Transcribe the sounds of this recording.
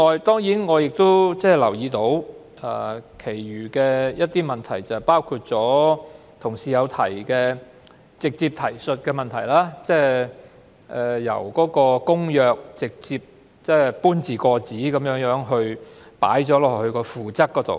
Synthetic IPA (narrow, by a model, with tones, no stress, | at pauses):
ŋɔː˨˧jt̪ɔː˥ŋjiː˨˥nŋɔː˨˧jɪ˨k̚t̪o˥wt͡sɛː˥˨˩lɐ˨˩wjiː˨˧t̪o˨˧˥w | ɐː˨˧kʰe˨˩jɥyː˨˩kɛː˧jɐ˥t̚t̪iː˥mɐ˨˩nt̪ʰɐ˨˩jt͡sɐ˨paː˥wkʰuː˧t̚t͡sɔː˨˥ | t̪ʰʊ˨˩ŋsiː˨jɐ˨˧wt̪ʰɐ˨˩jkɛː˧ | t͡sɪ˨k̚t͡siː˧p̚t̪ʰɐ˨˩jsɵ˨˧t̚kɛː˧mɐ˨nt̪ʰɐ˨˩jlaː˥t͡sɛː˥˩ | ʔɛː˨jɐ̰˨˩wkɔː˨˥kɔː˧kʊ˥ŋjœː˨˧k̚t͡sɪ˨k̚t͡siː˧p̚ | t͡sɛː˥˩puː˥nt͡siː˨kɔː˧t͡siː˨˥kɐ˨˦mjœː˨˥ŋjœː˨˥ŋɦɵ˧ɥpa̰ː˨˥jt͡sɔː˨˥lɔː˨khɵ˧ɥkɔː˧fuː˨t͡sɐ˥k̚ːɔː˨˥t̪o̰˨w